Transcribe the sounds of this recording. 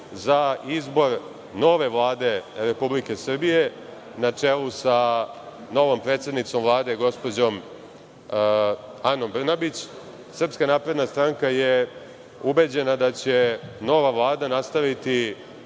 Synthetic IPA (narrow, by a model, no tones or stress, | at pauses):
zaizbo̞ɾ | no̞ʋe̞ʋlˠaːd̪e̞ɾe̞publike̞sr̩bije̞ | nat͡ʂelˠusa | no̞ʋo̞mpɾe̞ːt̪sed̪nit̪so̞mvlˠaːd̪eɡo̞spo̞d͡ʑo̞m | ano̞mbr̩nabit͡ɕ | sr̩pskanaːpɾe̞d̪nast̪ɾaŋkaje | ube̞d͡ʑe̞nad̪at͡ɕe̞no̞ʋaʋlˠaːd̪anast̪aʋit̪i